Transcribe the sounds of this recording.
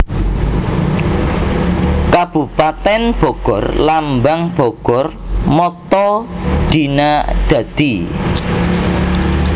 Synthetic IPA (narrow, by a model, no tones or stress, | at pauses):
kab̥upat̪ɛnb̥ɔ̤ɡ̥ɔrlambaŋb̥ɔɡ̥ɔrmɔt̪ɔɖ̪̥inad̪̥ä̤d̪̥i